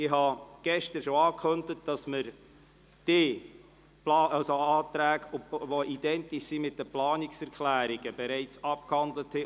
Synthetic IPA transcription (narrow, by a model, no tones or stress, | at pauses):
ɪɦɑɡ̥ɛʃtəɾʃoɑːkχɵndətd̥ɑsməɾ | d̥ɪ | plɑːɑlsoɑːtɾæːɡvoʔidɛntiʃsimɪt̚dəplɑːnɪksɛɾkʰlæːɾiɡ̥əb̥ɛɾɛɪt͡sɑp̚khɑndləthɛ